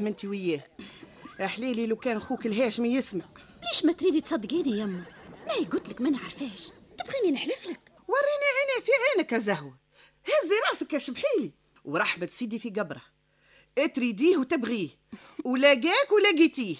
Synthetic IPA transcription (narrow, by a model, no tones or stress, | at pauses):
mɪnt̪iwɪjːɛː | ʔæħliːlilæwkɛːnxuːkəlɦæːʃmijɪsmaʕ | liːʃmæt̪ɾiːd̪it̪sˤɑd̪ːqiːniʔæmːæmæhiɡʊt̪ləkmænʕɑɾˤfæːʃt̪ɪbɣiːninəħlɪflək | wɑrˤːiniʕiːnifiʕiːnəkæzæhwa | hæzːiɾˤɑːʔsəkːæʃəbħiːli | wɾˤɑːħmæt̪siːd̪ifiɡɑbɾˤɑ | ʔæt̪ɾid̪iːhwt̪ɪbɣiːh | wlæɡæːkwlæɡit̪iːh